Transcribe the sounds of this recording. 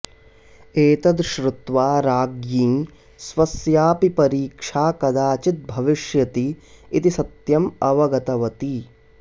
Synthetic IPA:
eːt̪ɐd̪ʃɾut̪ʋaːɾaːɡjĩː | sʋɐsjaːpipɐɾiːkʂaːkɐd̪aːt͡ʃit̪̚bʱɐʋiʃjɐt̪iːt̪isɐt̪jɐmɐʋɐɡɐt̪ɐʋɐt̪i

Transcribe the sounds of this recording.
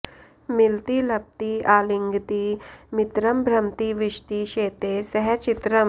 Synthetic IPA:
milt̪ilɐp̚t̪iaːliŋɡt̪imit̪ɾɐmbʱɾɐmt̪iʋiʃʈ̪iʃeːt̪esɐɦɛt͡ʃit̪ɾɐm

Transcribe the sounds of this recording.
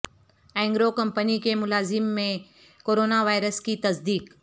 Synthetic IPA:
ɛ̃ːŋɡɾokɐmpənikemʊlaːzɪmːẽ | koːɾoːnaʋaːɪɾəskit̪ɐsd̪iːk

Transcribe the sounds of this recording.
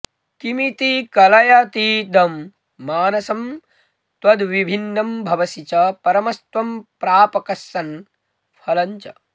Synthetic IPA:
kimit̪ikɐlɐjɐt̪id̪ɐmː | aːnɐsɐm | t̪wɐd̪ʋibʱinːɐmbʱɐʋɐsit͡ʃɐpɐɾɐmɐst̪wɐmpɾaːpɐkɐsːɐn | pʰɐlɐɲt͡ʃɐ̰

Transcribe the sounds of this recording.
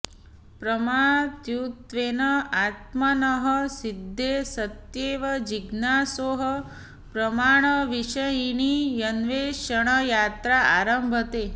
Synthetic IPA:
pɾəmat̪jut̪ʋeːnəat̪̚mɐnəɦəsid̪ʱːesɐt̪jeːʋɐd͡ʒiɡnaːsoːɦɐ | pɾɐmaːɳ̃əʋiʃɐjinijɐnʋeːʃəɽ̃əjaːt̪ɾaa̰ːɾəmbʱət̪eː

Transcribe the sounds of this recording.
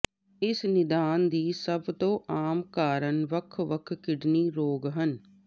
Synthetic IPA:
ɪsnɪd̪aːnd̪iːsəbt̪õːʔaːmkaːɾənʋəkʰʋəkʰkɪɖniːɾoːɡɦən

